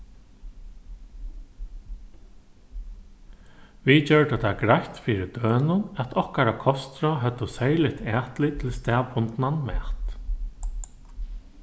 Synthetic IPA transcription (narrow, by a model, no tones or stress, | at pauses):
ʋit͡ɕœɹɖət̪ʰaɡɾajt̪fiːɾɪd̪øːnʊnæt̪ʰɔhkaɾakʰɔst̪ɾɔɦœt̪ːəsejlɪt̪ʰæːt̪lɪt̪ʰɪlst̪ɛːbʊnt̪nanmɛ̰ːt̪